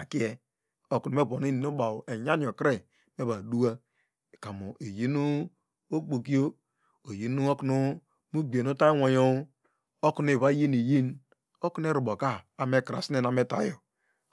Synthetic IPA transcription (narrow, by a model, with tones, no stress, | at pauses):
a˨ki˦e˨ | o˨ku˨u˨me˦bo˨ni˦ni˨nu˦ba˨we˨ja˦ni˨o˨kɾe˨ | me˦βa˨du˦a˦˨ | ka˨mo˨e˨ji˦nu˦ | o˦k͡po˨ki˦o˦ | o˨ji˨nu˦o˦ku˦nu˦ | mu˦ɡ͡be˨nu˦ta˦wo˨jo˦ | o˦ku˨˦n˦e˨βa˦ji˦ne˨ji˦n | o˦ku˦n˦e˦ɾu˨bo˨ka˦a˨me˦kɾa̰˨si˦e˦˨a˨me˦ta̰˨jo˨